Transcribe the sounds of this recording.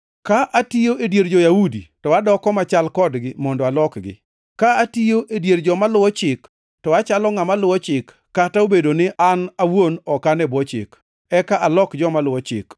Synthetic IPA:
kaʔatijoedjeɾd͡ʒojawuditɔwadɔkɔmat͡ʃalkɔdɡɪmɔndɔalɔkɡɪ̰ | kaatijoʔedjeɾd͡ʒɔmalʊwɔt͡ʃɪk | tɔwat͡ʃalɔŋamalʊwɔt͡ʃɪkːataobedonɪʔanawonɔkanɛbɔt͡ʃɪ̰k | ɛkaʔalɔkd͡ʒɔmalʊwɔt͡ʃɪ̰k

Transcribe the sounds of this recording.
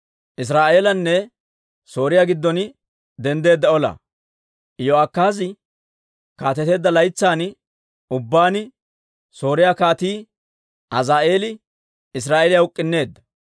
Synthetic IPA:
ʔɪs̬ɾaːʔe̞ːlɐnːɛ | so̞ːɾɪjaːɡɪd̪ːɔn | d̪ɛnd̪e̞ːd̪ːɐɔlɐ̰ | joakːaːz̬ɪ | kaːt̪ɛt̪e̞ːd̪ːɐlɐjt͡sːaːn | ʊbːaːnɪ | so̞ːɾɪjaːkaːt̪iː | ʔɐzaːʔe̞ːlɪ | ɪs̬ɾaːʔeːlɪjaʊkʼːɪnːe̞ːd̪ːɐ̥

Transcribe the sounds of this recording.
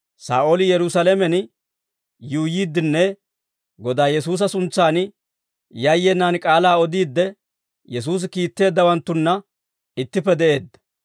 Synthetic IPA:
sa̰ːʔolɪjɛɾʊsɐlɛmɛn | juːjiːd̪ːɪnːɛ | ɡɔd̪aːjɛsuːs̬ɐsʊnt͡sːaːn | jɐjːɛnːaːnkʼaːlaːɔd̪iːd̪ːɛ | jɛs̬uːs̬ɪkiːt̪ːe̞ːd̪ːɐwɐnt̪ːʊnːɐ | ɪt̪ːɪpːɛd̪ɛʔe̞ːd̪ːɐ̥

